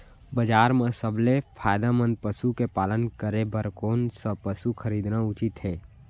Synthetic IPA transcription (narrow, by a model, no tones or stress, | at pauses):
bəd͡ʒaːɾmẽsəblepʰaːjd̪amə̃nd̪̚pəsukepaːlənkəɾebəɾkoːnsəpəsuxʰəɾiːd̪naʊt͡ʃɪt̪ɦɛː